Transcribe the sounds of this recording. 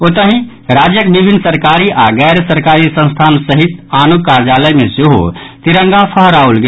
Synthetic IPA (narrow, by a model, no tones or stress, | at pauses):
ot̪əɦĩ | ɾad͡ʒjəkbibʱinːəsəɾkaɾiʔaɡɛjɾsəɾkaɾisə̃nst̪ʰansəɦit̪anukaɾd͡ʒaləjmeseɦo̰t̪iɾəŋɡapʰəɦəɾaulɡe